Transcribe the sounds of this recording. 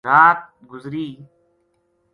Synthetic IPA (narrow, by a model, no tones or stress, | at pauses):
aːt̪̚ɡʊzɾiː